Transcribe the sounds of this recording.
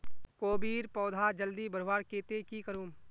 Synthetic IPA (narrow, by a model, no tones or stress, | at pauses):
koːbiːɾpɔːd̪ʱad͡ʒəld̪ibəɾʋaːɾkeːt̪ekikəɾuːm